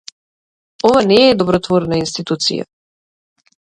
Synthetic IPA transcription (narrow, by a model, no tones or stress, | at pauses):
ɔvanɛːd̪ɔbɾɔt̪vɔɾnainst̪it̪ut̪sḭja̰